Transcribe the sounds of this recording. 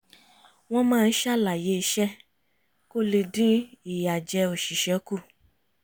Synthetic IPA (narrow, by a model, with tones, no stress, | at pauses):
w̃ɔ̃˦mãː˦˧n̩˦ʃa˦˨la˨je˨˦i˧˦ʃɛ˦ | ko˦le˧dĩ˦i˦˨ja˨d͡ʒɛ˧o˨ʃi˨ʃɛ˨˦ku˦˨